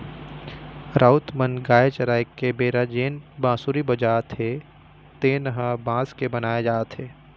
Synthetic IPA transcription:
ɾʔaʊt̪mənɡaːet͡ʃɐɾaːjkːebeːɾad͡ʒeːnbãːsuːɾibɐd͡ʒaːt̪ʰɦe | t̪eːnəɦãbãːskebɐnaːjed͡ʒaːt̪ɦeː

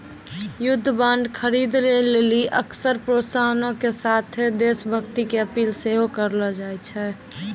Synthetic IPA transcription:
jʊd̪ʱːəbãɳɖkʰəɾid̪leleliʔəksəɾpɾosaɦənõkesat̪ʰed̪esbʱəɡt̪ikeəpiːlseɦokəɾlɔd͡ʒajt͡ʃʰɛː

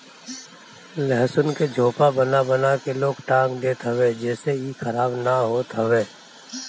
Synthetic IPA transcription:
lɛɦsʊnked͡ʒʱoːpabənabənakeloːɡʈãːŋɡd̪eːt̪ɦəʋed͡ʒɛːseikʰəɾaːbnaɦoːt̪ɦəʋeː

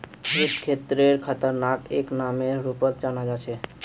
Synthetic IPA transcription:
iskʰet̪ɾeɾkʰət̪əɾnakeknameɾupət̪̚d͡ʒanad͡ʒat͡ʃʰɛ

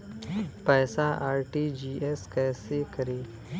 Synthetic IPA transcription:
pɛːsaʔaːɾʈiːd͡ʒiːʔeskɛːsekɐɾeː

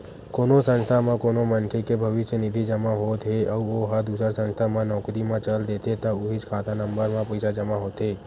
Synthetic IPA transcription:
koːnosə̃nst̪ʰamãkonomənkʰekebʱəʋɪʃjənid̪ʱid͡ʒəmaɦot̪ɦeəuoɦad̪usəɾsə̃nst̪ʰamãnɔːkɾimãt͡ʃəld̪et̪ʰet̪auɦit͡ʃkʰat̪ʰanəmbəɾmãpəjsad͡ʒəmaɦot̪ɦe

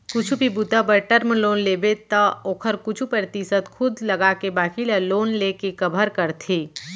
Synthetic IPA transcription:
kʊt͡ʃʰubʱibut̪əbəʈəɾmloːnleːbet̪ɔoːkʰəɾkʊt͡ʃʰupɾɾət̪isət̪kʰʊd̪ləɡakebaːkilaloːnlekekəbʱəɾkəɾt̪ʰiː

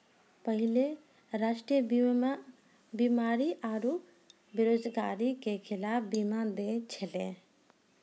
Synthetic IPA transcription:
pəɦɪle | ɾaʃʈɾijə | bimaːɾiʔaɾu | beɾoːd͡ʒɡaːɾikekʰɪlaːpʰbimad̪et͡ʃʰelḛ̃

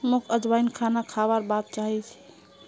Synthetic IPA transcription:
mukʰəd͡ʒbainkʰanakʰaβaɾbat̪̚t͡ʃaɦɛt͡ʃʰi̥

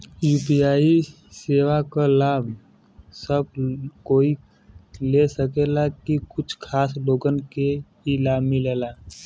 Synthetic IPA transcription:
juːpijaːi | seːwakalaːbʱ | səb̚koːi | lesəkelakikʊt͡ʃʰkʰaːsloːɡənke | ilaːbmileːlaː

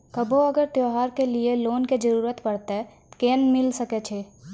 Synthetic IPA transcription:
kɐbʱoɐɡəɾt̪joːɦaːɾkelieloːnked͡ʒəɾuːɾət̪pɐɽ̤t̪aɛ | keːnmɪlsɐket͡ʃʰeː

